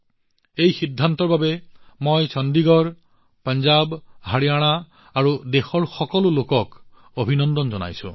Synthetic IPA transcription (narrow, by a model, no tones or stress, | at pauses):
ejxid̪ʱːant̪ɔɹbabemojt͡ʃɔnd̪iɡɔɹ | paɲd͡ʒabɦaɽiaɽ̃aː | ɾud̪exɔɹxɔkɔlulokɔk | obʱinɔnd̪ɔnd͡ʒɔna̰jsṵ̃